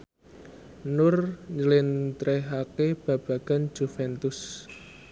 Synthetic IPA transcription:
nʊrɲəlɪnt̪ɾɛɦakeb̥ä̤b̥a̤ɡ̥a̤n̥d͡ʒ̥ufɛnt̪ʊs

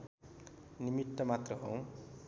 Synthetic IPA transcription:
nimit̪ːʌmat̪rʌɦow̃

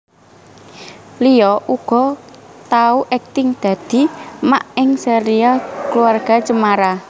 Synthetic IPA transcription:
lijɔʔuɡ̥ɔ̤t̪auʔɛk̚t̪ɪŋd̪̥ä̤d̪̥i̤maʔɪŋsɛɾiakluarɡ̥a̤t͡ʃəmaɾa

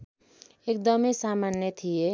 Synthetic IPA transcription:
ek̚d̪əmesamaːnjət̪ʰie

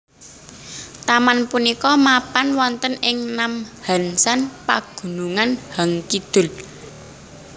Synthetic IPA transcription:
t̪amanpunikɔmapanwɔnt̪ənɪŋnamha̤nsanpaɡ̥ṳnuŋanhaŋkid̪̥ʊ̤l

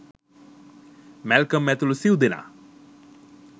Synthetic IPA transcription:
mɛlkəmːɛt̪ulusiwd̪ina̰

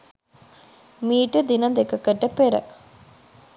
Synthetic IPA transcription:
miːʈud̪inɐd̪ekɐkɐʈːɐpeɾə̰

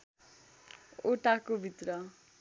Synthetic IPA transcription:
oʈakobʱit̪ɾʌ

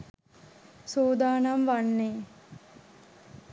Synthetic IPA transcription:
soːd̪aːnamʋanːeː

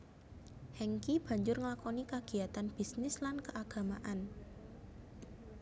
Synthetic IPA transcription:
hɛŋkib̥ä̤ɲd͡ʒʊrŋlakɔnikaɡ̥i̤at̪anb̥i̤snɪslankəʔaɡ̥a̤maʔan

